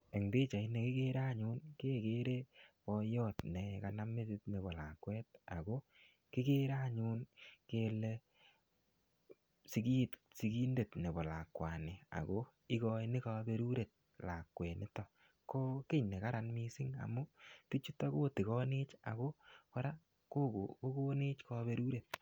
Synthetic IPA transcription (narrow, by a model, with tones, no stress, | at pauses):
e˨ŋde˦t͡ʃa˨i˦ne˨kɪ˦ke˦ɾa˦˨ɲu˦nke˦ke˦ɾe˦pɔ˧jɔ˦tne˨ka˨na˦me˦tɪ˦tne˨bɔ˨la̰˨kwɛ˦t̚a̰˨ɡo˦ | kɪ˦ke˦ɾa˦ɲu˦nke˧lɛ | si˦ki˦t | si˦ɡi˦nde˨tne˨bɔ˨la˨kwa˨nɪ˨a̰˨ɣo˦ | ɪ˦ɣɔ˧inɪ˦ka˧be˦ɾu˦ɾe˨t̚ | la˨kːwɛ˨nɪ˦tɔ˨ | ko˦kɪ˦ɲne˨ka˦ɾa˨nmi˦sɪ˦ŋa̰˨mʊ˦ti˦t͡ʃu˦ta˦ɣo˦ti˨ɣɔ˦nɪ˦t͡ʃa̰˨ɣo˦ka˦ɾa˦ | ko˦ko˨ko˦ko˦ne˦t͡ʃka˦be˦ɾu˦ɾe˨t̚